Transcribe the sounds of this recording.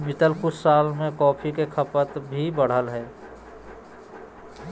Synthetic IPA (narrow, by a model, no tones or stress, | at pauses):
mɪt̪əlkusaːlmẽkɔːpʰikekʰəpət̪bʱibəɽ̤əlɦɛː